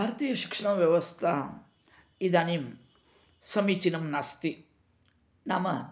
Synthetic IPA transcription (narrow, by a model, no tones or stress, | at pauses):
bʱaːɾɐt̪iːjɐʃi̥kʂɐɳɐʋjɐʋɐst̪ʰa | id̪aːnim | sɐmit͡ʃinɐmnaːst̪i | namɐ